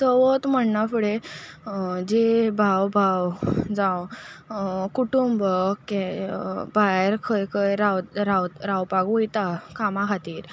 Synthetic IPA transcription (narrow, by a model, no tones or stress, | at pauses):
səʋət̪m̤əɳnafuɽe | d͡ʑebʱawbʱawd͡zãw | kuʈumbəkebʱajeɾkʰəjkʰəjɾaw̪ɾaw̪ɾawpakujt̪akʰamãkʰat̪iːɾ